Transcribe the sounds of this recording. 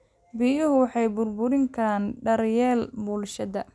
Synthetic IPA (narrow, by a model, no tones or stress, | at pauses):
bijʊɦʊwɑħɑjbʊrbʊɾɪŋkʰanɖɐrjɛːlbʊlʃɐd̪ɐ